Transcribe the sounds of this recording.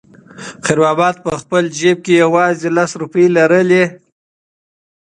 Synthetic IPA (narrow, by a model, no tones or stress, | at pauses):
xɪɾwɑbɑt̪̚pəxpəld͡ʒeb̚kejawɑzelasɾupəjlaɾəle